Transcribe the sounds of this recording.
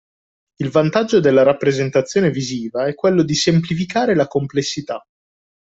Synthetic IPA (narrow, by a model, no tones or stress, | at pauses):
ilvant̪ad͡ʒːod̪elːaɾapːɾezent̪at̪sːjoːneviziːvaɛkːwelːod̪isemplifikaːɾelakomplesːit̪a